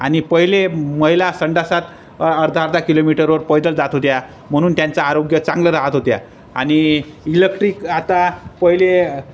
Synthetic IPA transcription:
añipəɦileməɦilasəɳɖasat̪ | əɾd̪ʱaɾd̪akilomiʈəɾʋəɾpɔjd̪əld͡zat̪ɦot̪ja | m̤əɽ̃uːnt̪jant͡saːɾoɡjət͡sãŋɡləɾaɦat̪ɦot̪ja | añiilekʈɾiːkat̪apəɦile

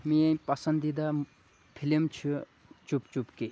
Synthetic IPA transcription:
miepɐsɐnd̪id̪a | pʰilimt͡ʃʰu | t͡ʃupt͡ʃupke

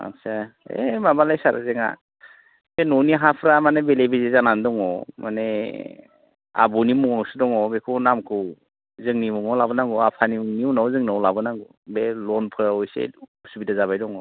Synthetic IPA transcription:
a̰saḛmabalajsaɾa̰zeŋa̰ | senɔniɦapʰɾamanebelebezezanandɔŋɔmane | a̰bunimuŋɔsɯdɔŋɔbekʰɯnamkʰɯw | zɯŋnimuŋɔlabɯnaŋɡɔapʰaniuŋniunawzɯŋnawlabɯnaŋɡu | belɔnpʰɯɾaɔjsḛusubidazaβajdɔŋɔ

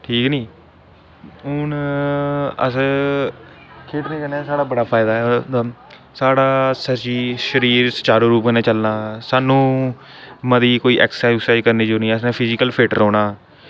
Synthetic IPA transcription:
ʈʰiːknĩː | ɦʊn | ə̰s | kʰeːʈnẽːkəneːsaːɽaːbəɽaːpʰaːɪd̪aːɛa | saːɽaːsət͡ʃiːʃəɾiːɾsət͡ʃaːɾoːɾuːpɡənẽːt͡ʃəlnaːsaːnũː | məd̪iːkoːiːʔɛ̰ːksaːksaːkəɾneːd͡ʒoːnĩːəs̬nẽːpʰɪzɪkəlpʰeːʈɾɔːɽaː

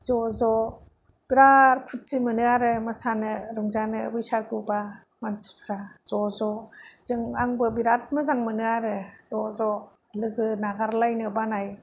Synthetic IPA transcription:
zɔzɔ | b̥iɾaɾpʰut̚simɯnɯaɾɯmɯsanɯɾɯŋzanɯ̰bɯjsaɡɯba | mansi̥pʰɾaz̥ɔzɔz̥ɯŋaŋbɯbiɾat̚mɯzaŋmɯnɯaɾɯzɔzɔ | lɯɡɯnaɡaɾlajnɯbanaj

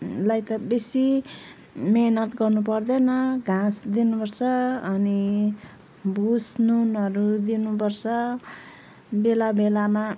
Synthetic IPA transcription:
lajt̪ʌbesi | menʌʈɡʌrnupʌrd̪enʌɡʱãsd̪inupʌrt͡sʰʌːni | busnunʌɾud̪inupʌrt͡sʰʌ | belabelama

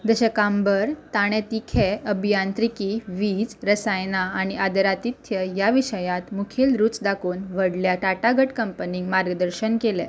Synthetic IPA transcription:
d͡z̪əɕəkambəɾt̪aɽ̃ẽt̪ikʰeəbʱijant̪ɾikiʋid͡zɾəsajnaːɽ̃iʔad̪əɾat̪it̪ʰjəjaʋiɕəjãt̪mukʰilɾuːt͡sd̪akuːnʋəɽljaʈaʈaɡəʈkəmpəniɡmaɾɡəd̪əɾɕənkelɛ̰

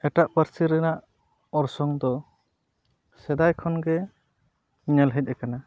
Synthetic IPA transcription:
ɛʈaʔpəɾsiɾɛnaʔ | ɔɾsɔŋd̪ɔ | sɛd̪ajkʰɔnɡɛ | ɲɛlɦɛc̚ˀɾɛkana

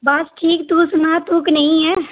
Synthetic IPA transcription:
bɐsʈʰiːkt̪uːsʊnat̪uːknɐɦĩɦɛː

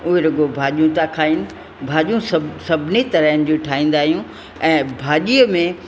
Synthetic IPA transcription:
ʊɦeɾɐɡobʱaːʄijũt̪akʰaːinɪ̆ | bʱaːʄijũsɐsɐbʱɪnit̪ɐɾaɦɪnɪ̆d͡ʑoʈʰaːĩːn̆d̪aːɦijũ | ɛ̃ːbʱaːʄiəmẽ

